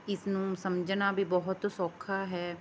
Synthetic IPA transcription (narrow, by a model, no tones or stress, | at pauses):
ɪsnũːsəmd͡ʒnaːbʱiːbɔɦʊt̪sɔːkʰaːɦɛː